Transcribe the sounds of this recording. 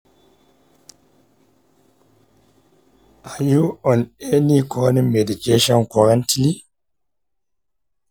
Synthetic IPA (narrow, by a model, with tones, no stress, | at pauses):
ʔa˨ju˦ɔ˨ne˦ni˦kʰɔːnɛme˨di˨keʃɔnkɔ˨ɾantili˦